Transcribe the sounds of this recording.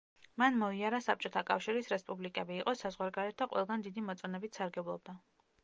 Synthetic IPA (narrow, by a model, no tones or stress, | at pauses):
manmɔiaɾasap̚t͡ʃʼɔt̪ʰakʼafʃiɾisɾɛspʼublikʼɛbiːqʼɔsazʁwaɾɡaɾɛt̪̚ʰd̪aqʼwʔɛ̰lˠɡand̪id̪imɔt̪sʼɔnɛbit̪ʰsaɾɡɛblˠɔb̚d̪a